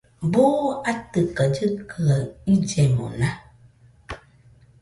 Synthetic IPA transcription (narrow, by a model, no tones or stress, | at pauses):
boat̪ɨkəd͡ʒɨkləid͡ʒɛmɔ̰̃nã